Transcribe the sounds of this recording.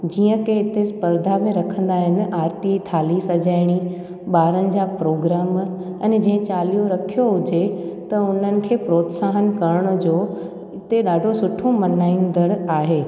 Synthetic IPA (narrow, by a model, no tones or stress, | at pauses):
d͡ʑiːə̃keɪt̪espəɾd̪ʱamẽɾɐkʰə̃nd̪aːɦɪnɪ̆ʔaːɾt̪it̪ʰaːlisɐd͡ʑaːɪɽ̃i | ɓaːɾənɪ̆d͡ʑaːpɾoːɡɾaːm | ɛ̃ːn̆d͡ʑɐ̃ɦɪ̃t͡ɕaːlijõɾɐkʰijoɦʊd͡ʑet̪ɐʊn̤ənɪ̆kʰeːpɾoːt̪saːɦənkɐɾəɽ̃ʊ̆d͡ʑoː | ɪt̪eɗaːɖʱosʊʈʰomɐnaːind̪əɽaːɦeː